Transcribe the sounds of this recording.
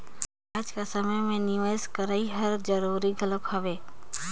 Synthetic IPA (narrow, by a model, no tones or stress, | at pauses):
aːd͡ʒkasɐməjmẽnɪʋaskɐɾaːiɦɐɾd͡ʒəɾuːɾiɡʱələkhɐʋeː